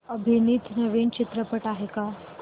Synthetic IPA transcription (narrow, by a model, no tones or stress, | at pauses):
əbʱinit̪nəʋiːnt͡ɕit̪ɾəpəʈaɦeka